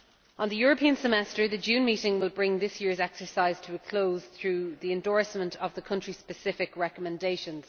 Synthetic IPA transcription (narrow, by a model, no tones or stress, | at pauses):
ə̃nðəjɔːɹəpʰĩə̃nsəmɛstə˞ðəd͡ʒʉ̃ːnmiˑɾɪ̃ŋwɪlˠbɹɪ̃ŋðɪsjɪɹzɛksə˞saɪz̥tʰəəkʰl̥oʊz̥θɹʉːðiɛ̃ndɔɹsmə̃ntʰəvðəkʰʌ̃nt͡ʃɹ̥ispəsɪfɪkɹɛkəmɛ̃ndeɪʃə̃nz̥